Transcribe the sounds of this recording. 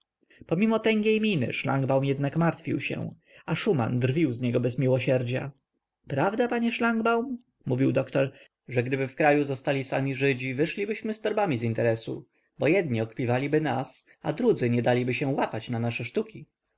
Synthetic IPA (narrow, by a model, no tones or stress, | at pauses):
pɔmʲimɔt̪ɛŋɡʲejmʲinɘ̰ʂla̰ŋɡbawmjɛd̪nakmaɾt̪fʲḭwɕɛ̰̃ | aʂuma̰nd̪rvʲiwzɲɛɡɔbɛzmʲiwɔɕɛɾd͡ʑa̰ | pɾavd̪apaɲɛʂlaŋɡbawm | muvʲiwd̪ɔkt̪ɔɾ | ʐɛɡd̪ɘbɘfkɾajuzɔst̪alʲisamʲiʐɘd͡ʑivɘʂlʲibɘɕmɘst̪ɔɾbamʲizint̪ɛɾɛsṵ | bɔjɛd̪ɲiɔkpʲivalʲibɘnas | a̰d̪ɾud̪zɘɲɛd̪alʲibɘɕɛwapat͡ɕnanaʂɛʂt̪ukʲi